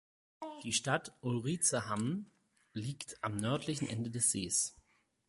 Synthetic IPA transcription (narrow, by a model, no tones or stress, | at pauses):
d̥iːʃtatʔʊlʁiːt͡səham | liːktʰʔamnœɐtʰlɪçn̩ʔɛ̰ndədɛsz̥eːs